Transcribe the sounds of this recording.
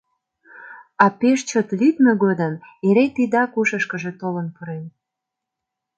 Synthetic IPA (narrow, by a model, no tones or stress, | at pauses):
ɑpeʃt͡ɕət̪lyt̪nəɣod̪əneɾet̪id̪ɑkuʃəʃkə̆ʒe̽t̪olənpəɾen